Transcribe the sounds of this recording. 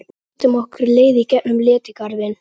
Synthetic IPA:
t̪ɪmɔhkʏɾleːjðicɛʔnʏmlɛːt̪ɪkaɾðɪn

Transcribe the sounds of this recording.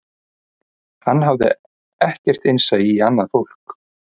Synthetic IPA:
hanːɦavðɪ̰ | ɛhcɛr̥t̪ɪnsajianːaðfowl̥k

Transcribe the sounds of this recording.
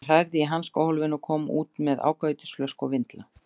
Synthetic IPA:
r̥ajɾðɪiɦanskawhɔlvɪnɔkʰɔːma̰ʔuːt̪mɛða̰ːwkaɥt̪ɪ̥sflœskɔvɪnt̪la

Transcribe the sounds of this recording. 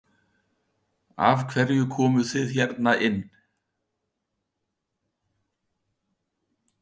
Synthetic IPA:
a̰vkʰvɛɾjʏkʰɔːmʏθɪðçɛɾt̪naʔɪnː

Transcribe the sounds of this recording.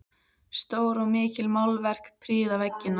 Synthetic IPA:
st̪oːwɾɔɣmɪːcɪlmawlvɛr̥kpʰɾiːðavɛcːɪnːa

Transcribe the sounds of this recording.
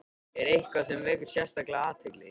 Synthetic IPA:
ɛɾejhkvasɛmvɛːkʏɾ̥sjɛst̪aklaaːðt̪ʰɪklɪ̰

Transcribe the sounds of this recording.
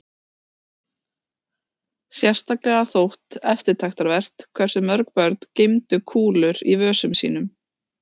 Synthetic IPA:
sjɛr̥st̪aklɛɣaθowht̪ɛft̪ɪɾt̪ʰajxt̪aɾvɛr̥t̪kʰvɛr̥sʏmœɾk̚pœɾt̪n̥cɪjmt̪ʏkʰuːlʏɾivœːsʏmsḭːnʏm

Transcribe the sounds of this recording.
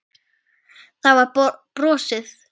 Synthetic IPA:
θawvaɾpɾɔːsɪθ

